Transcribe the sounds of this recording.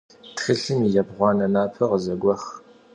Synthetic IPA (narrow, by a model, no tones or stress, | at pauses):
tχiɬɨmijɐbʁʷɑːnɐnaːpʰɐʁəzɐɡʷɐχ